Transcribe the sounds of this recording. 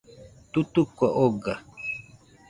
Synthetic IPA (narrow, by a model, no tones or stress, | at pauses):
t̪ut̪ukʷaʔoɡa